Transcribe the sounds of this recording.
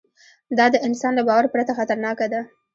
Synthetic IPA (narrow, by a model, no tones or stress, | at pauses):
d̪ɑd̪əɪnsɑnlabɑwaɾpɾat̪axat̪aɾnɑkad̪a